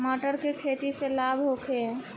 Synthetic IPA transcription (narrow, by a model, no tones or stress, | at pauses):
məʈəɾkekʰet̪iselabʱɦokʰe